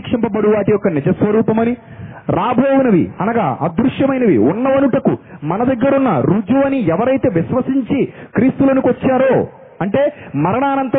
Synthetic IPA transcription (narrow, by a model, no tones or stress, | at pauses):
kʂɐmpɐbɐɽuʋaːʈijɔkːɐnid͡ʒɐsʋɐɾuːpɐmɐni | ɾaːbʱoːwunɐʋḭɐnɐɡaːɐ̰d̪ɾuʂjɐmɐjnɐʋḭunːɐʋɐnuʈɐkṵmɐnɐd̪ɐɡːɐɾunːɐɾuːd͡ʒoːɐniɛʋɐɾɐjt̪e̞ːʋiʃʋɐsiɲt͡ʃikɾiːst̪uloːnikʋɐt͡ʃːaːɾoː | ɐɳʈe̞ːmɐɾɐɳaːnɐnt̪ɐ